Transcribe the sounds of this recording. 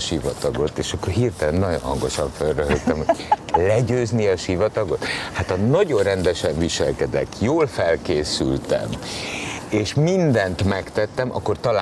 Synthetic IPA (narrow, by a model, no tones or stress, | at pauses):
ʃivɒt̪ɒɡo̞t̪ːeːʃɒkːorɦirt̪ɛlɛnːɒɟo̰nɦɒŋɡo̞ʃɒɱfølrøɦøkt̪ɛmho̥lɛɟøːzniɒʃivɒt̪ɒɡo̞t̪hat̪ɒnɒɟo̞rrɛnd̪ɛʃɛɱviʃɛlkɛd̪ɛ̰kjoːlfɛlkeːsy̰lt̪ɛ̰m | eːʃmind̪ɛnt̪mɛkt̪ɛt̪ːɛmʔɒ̰kːo̞rt̪ɒla